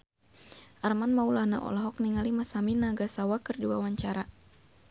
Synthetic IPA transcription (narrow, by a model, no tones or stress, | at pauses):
ʔarmanmaulahna̰ʔɔ̰lɔɦɔk̚niŋalimasaminaɡasawakərdiwa̰waɲt͡ʃaɾa